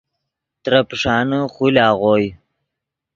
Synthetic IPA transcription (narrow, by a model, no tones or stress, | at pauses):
t̪ɾapʂɑːnəχulɑːʁoːj